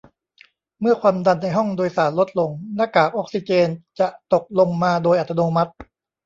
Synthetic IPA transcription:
mɯ˥˩ɐkʰwaː˧mda˧nːa˧jɦɔ˥˩ŋdoː˧jsaː˩˦nlo˦˥t̪̚lo˧ŋna˦˥˩kaː˨˩k̚ʔo˦˥k̚si˧t͡ɕeː˧nt͡ɕa˨˩ʔt̪o˨˩k̚lo˧ŋmaː˧doː˧jʔa˨˩t̪ʰːa˧noː˧ma˦˥t̪̚

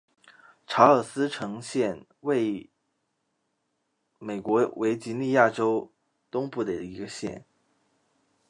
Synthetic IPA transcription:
ʈ͡ʂʰa˧˥ə˞˨˩sɹ̩˥ʈ͡ʂʰɤ˧˥ŋɕjɛ˥˧n | we˥˩ɪ | me˨˩ɪkwɔ˧˥wʔe˧˥ɪt͡ɕi˧˥nli˥˧ja˥˩ʈ͡ʂo˥ʊ | t̪ʊ˥ŋpu˥˩d̪ə˩i˧˥ɡə˧ɕjɛ̰˥˩n

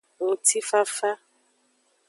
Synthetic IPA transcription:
wo˨ti˦fa˦fa˦

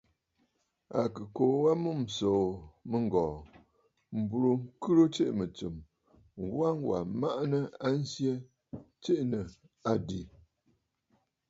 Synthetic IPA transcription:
a˨kɨ˨ko˨wa˦mu˦˨m̩˨soː˨mə˦ŋ˨ɡɔː˨ | m̩˨bu˨ɾo˨ŋ̩˦kɨ˦ɾo˦t͡ʃe˦ʔmə˨t͡sɨ˨m | wa˦ŋwa̰˨ma˦ʔnə˦a˦n̩˦sje˦ | t͡ʃe˦ʔnə˨ | a˨di˨

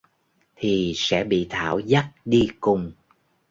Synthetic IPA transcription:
t̪ʰi˨˩sɛ̰˧˥ɓḭ˧˨t̪ʰa̰ː˧˩wza˦˥t̚ɗi˧kʊ˨˩ŋ͡m

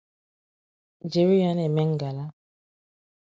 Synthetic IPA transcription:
d͡ʒe˨ɾi˦ja˨˦nɛ˨mɛ˦ŋ˨ɡa˨la˦

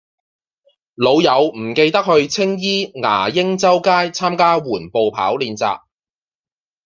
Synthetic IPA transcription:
lo˨˧wjɐ˨˧wm̩˨˩ke˧jt̪ɐ˥k̚hɵ˧ɥt͡sʰɪ˥ŋjiː˥ŋa̰ː˨˩jɪ˥ŋt͡sɐ˥wkaː˥jt͡sʰaː˥mkaː˥wuː˨˩npo˨wpʰa̰ː˨˥wliː˨˧nt͡sa̰ː˨p̚

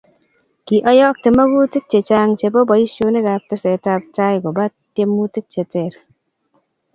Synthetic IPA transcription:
ki˨ʔɔ˦jɔ˦k̚te˨ma˦ɡu˦ti˦k̚t͡ʃe˨t͡ʃa˦ŋt͡ʃe˨bo˦bɔ˨i˦ʃo˧ne˦ɡa˨p̚te˦se˨ta˧p̚t͡ʃa˦jɡo˨ba˦tːe˦mu˦ti˦k̚t͡ʃe˨te˨ɾ

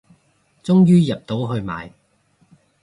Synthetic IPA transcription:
t͡sʊ˥ŋjyː˥jɐ˨p̚t̪o˨˥wɦɵ˧ɥma̰ː˨j

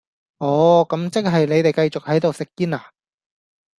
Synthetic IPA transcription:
ʔɔː˨˧˥kɐ˨˥mt͡sɪ˥k̚ɦɐ˨jne˨˧jt̪e˨jkɐ˧jt͡sʊ˨k̚hɐ˨˥jt̪o˨wsɪ˨kːiː˥naː˨˩

